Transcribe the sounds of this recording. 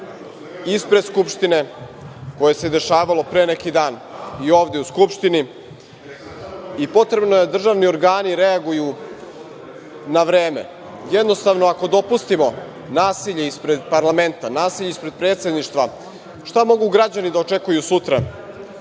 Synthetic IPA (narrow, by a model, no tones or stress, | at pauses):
ispɾe̞d̪skupʃt̪ine̞ko̞je̞se̞d̪e̞ʃaːʋalo̞pɾeːnekid̪aːnio̞ːʋd̪e̞uskupʃt̪ini | ipo̞t̪ɾe̞bno̞jed̪r̩ʒaʋnio̞ɾɡaːniɾeaɡuju | naʋɾe̞ːme̞̰ | jed̪nost̪aʋnoako̞d̪o̞pust̪imo̞ | naːsiʎeispɾe̞d̪paɾlˠame̞nt̪anaːsiʎeispɾe̞d̪̚pɾe̞ːt̪sʲe̞d̪niʃt̪ʋa | ʃt̪amo̞ɡuɡɾad͡ʑanid̪ao̞t͡ʃe̞kujusut̪ɾa